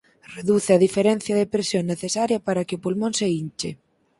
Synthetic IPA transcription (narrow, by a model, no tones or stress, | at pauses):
reðuθeɐðifeɾɛn̟θjɐðepɾesjoŋnːeθesaɾjɐpaɾɐkɪopulmõnseint͡ʃe